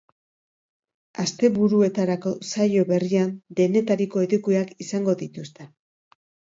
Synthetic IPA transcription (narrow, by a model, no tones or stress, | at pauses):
ast̪e̞βuɾue̞t̪aɾako̞sajo̞βe̞riand̪e̞ne̞t̪aɾiko̞eðukuakisaŋɡo̞ðit̪ust̪e̞